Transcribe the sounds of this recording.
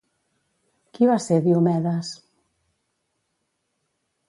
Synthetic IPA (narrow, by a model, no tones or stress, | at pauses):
kiβaseðiumɛðas